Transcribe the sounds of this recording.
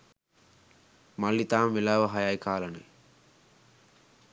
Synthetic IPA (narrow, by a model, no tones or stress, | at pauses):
malːit̪aːmʋelaːʋəɦajajkʰaːlənḛ